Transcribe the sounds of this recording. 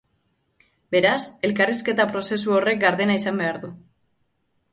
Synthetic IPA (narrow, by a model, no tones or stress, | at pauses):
be̞ɾase̞lkariske̞t̪apɾo̞se̞suo̞re̞k̚ɡaɾðe̞naisambe̞aɾðu